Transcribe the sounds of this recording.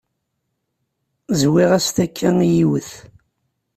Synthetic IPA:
zwiʁæst̪ækʰːæijiwəθ

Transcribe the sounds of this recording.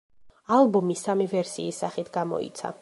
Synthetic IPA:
alˠbɔmisamivɛɾsiːsːaχit̪ʰɡamɔ̰ḭt̪sʰa̰

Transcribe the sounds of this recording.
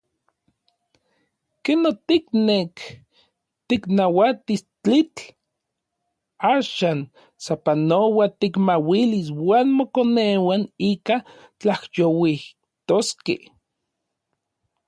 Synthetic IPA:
kenot̪iknek | t̪iknawat̪ist͡ɬit͡ɬ | aːʃaːn | sapanowat̪ikmawiliswaːnmokonewaniːka | t͡ɬahjowih | t̪oskḛ

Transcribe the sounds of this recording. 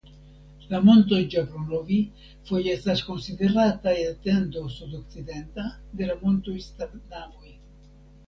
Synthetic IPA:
lamont̪̬od͡ʒapɾonovi | fojest̪askonsid̪eɾat̪aeat̪end̪osud̪ok̚t͡sid̪ent̪ad̪elamont̪oist̪anavoj

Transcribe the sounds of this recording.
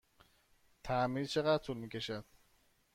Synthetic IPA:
t̪ʰæmizt͡ʃʰeɣæt̪ʰulmiːcʲʰe̞ʃæd̪̥̚

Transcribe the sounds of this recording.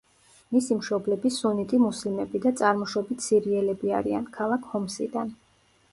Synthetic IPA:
misimʃɔblɛbisunit̪ʼimuslimɛbid̪at̪sʼaɾmɔʃwɔbit̪ʰsiɾiɛlɛbia̰ɾia̰nkʰalˠakʰhɔmsid̪an

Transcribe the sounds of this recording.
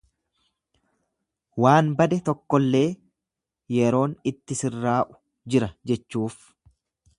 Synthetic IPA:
waːnbɐd̪ɛt̪ɔkːɔlːe̞ː | jɛɾo̞ːnɪt̪ːɪsɪrːaːʔʊ̥ | d͡ʒɪɾɐd͡ʒɛt͡ʃːuːf

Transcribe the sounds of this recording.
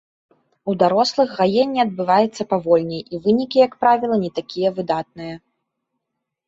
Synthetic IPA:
ud̪aɾɔslˠɨɣːajenʲːiɐd̪̚bɨvajɛt̪sːɐpavɔlʲnʲɐjʔivɨnʲikʲijɐkpɾavʲilˠɐnʲɛt̪akʲijɐvɨd̪at̪̚nɨjɐ

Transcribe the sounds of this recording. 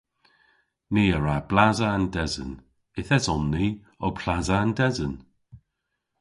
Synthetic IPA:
niːəɹab̥lazaandɛzə̰n | ɪθɛsɔnːiː | ɔpʰlazaandɛzən

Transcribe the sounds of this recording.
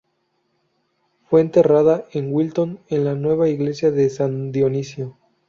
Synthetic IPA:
fwe̞ːnt̪e̞raðaeŋwilt̪o̞nenlanwe̞β̞aiɣle̞sjaðesand̪jonisjo

